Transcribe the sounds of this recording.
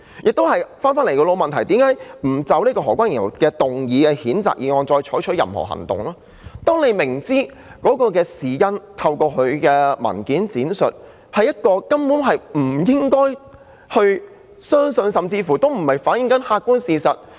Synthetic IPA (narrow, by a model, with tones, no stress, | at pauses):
jʔɪ˨k̚t̪o˥whɐ˨jfaː˥nfaː˥nle˨˩kɔː˧lo˨˧wmɐ˨nt̪ʰɐ˨˩jt̪iː˨˥mkaː˨˥jm̩˨˩t͡sɐ˨˧wliː˥kɔː˧ɦɔː˨˩kʷaː˥njɐ˨˩kɛː˧t̪ʊ˨˩ŋjiː˨˧kɛ˧hiː˨˥nt͡sa̰ː˨˩k̚jiː˨˧ŋɔː˧nt͡sɔː˧jt͡ʃʰɔː˨˥jt͡ʃʰɵ˦˥t̚jɐ̰˨mhɔ̰˨˩ɦɐ̰˨˩ŋt̪ʊ̰˨ŋlaː˥ | t̪ɔː˥ŋne˨˧jmɪ˨˩ŋt͡siː˥ | kɔː˨˥kɔː˧k̬ɛː˧siː˨˩jɐ˧nt̪ʰɐ˧wkɔː˧kʰɵ˨˧ɥkɛː˧mɐ̰˨˩nkiː˨˥nt͡siː˨˥nsɵ̰˨t̚ | hɐ˨jɐ˥t̚kɔː˧kɐ˥mpuː˨˥nɦɐ˨jm̩˨˩jɪ˥ŋkɔː˥j | hɵ˧ɥ | sœː˥ŋsɵ˧nsɐ˨mt͡siː˧fuː˨˩t̪o˥wm̩˨˩mhɐ˨jfaː˨˥n̚jɪ˨˧ŋkɐ˨˥nhaː˧kːu˥nsiː˨˧sɐ˨t̚